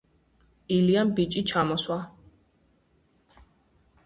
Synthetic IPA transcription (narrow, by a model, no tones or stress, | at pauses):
iliambit͡ʃʼit͡ʃʰamɔswa